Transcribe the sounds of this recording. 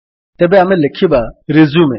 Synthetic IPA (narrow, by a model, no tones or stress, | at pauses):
t̪ɐbeɐmɛ̃lɐkʰːibaɾezume